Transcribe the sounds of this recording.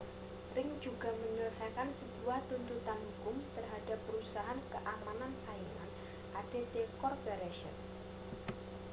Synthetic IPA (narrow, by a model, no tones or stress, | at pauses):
rɪŋd͡ʒuɡ̥a̤məɲələsajkansəbuaht̪unt̪ut̪anɦukʊmt̪ərɦadapːəɾusaɦankəʔamanansaima̰n | ʔad̥e̤d̪ekɔrpɛɾeʃə̰n